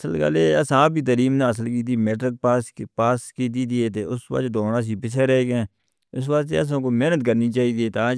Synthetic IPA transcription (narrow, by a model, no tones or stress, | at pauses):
səlkə̰leːəsãːbiːt̪əɾiːmnẽːəsəlkiːt̪̬iːmeːʈɾək̚ːpaːskiːt̪̬iːt̪iːeːt̪eːʊsʋə̰d̪oːnãːs̬iːpɪt͡ʃʰeːɾɛeːɡɛ̃ː | ʊsʋəkt̪ḛːəs̬ãːkoːmɛːnət̪kəɾniːt͡ʃaːiːd̪ieːt̪aː